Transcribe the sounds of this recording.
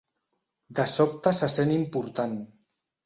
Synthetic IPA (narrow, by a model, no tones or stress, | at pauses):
d̪əsɔp̚t̪əsasenimpuɾt̪an